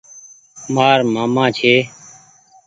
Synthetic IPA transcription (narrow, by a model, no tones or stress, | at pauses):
maːɾmaːmãːt͡ʃʰeː